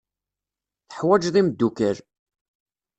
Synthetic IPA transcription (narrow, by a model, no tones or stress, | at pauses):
θəħwæd͡ʒðˤimd̪ːukəɾ